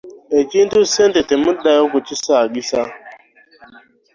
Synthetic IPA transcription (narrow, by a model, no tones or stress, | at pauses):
ed͡ʒindusendetemudajokut͡ʃisaɡisa